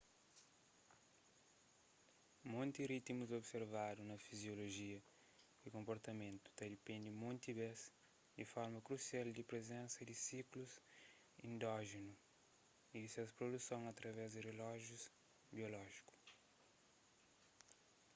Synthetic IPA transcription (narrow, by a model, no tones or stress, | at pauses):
mõnt̪irit̪imuzobseɾvad̪unɐfizjoloʒiɐ | ikõmpoɾt̪ɐmẽnt̪u̥t̪ɐd̪ipẽnd̪imõnt̪ibɛs | d̪ifɔɾmɐkɾusiald̪ipɾezẽnsɐd̪ɪsikluz | ḭ̃nd̪ɔʒinu | id̪isɛwspɾod̪usõŋɐt̪ɾɐvɛzd̪irelɔʒjuz | biolɔʒiku̥